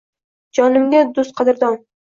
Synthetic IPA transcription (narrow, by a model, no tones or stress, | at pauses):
d͡ʒɒnɪmɡʲad̪ʊst̪̚qʰɑd̪ɪɾd̪ɒn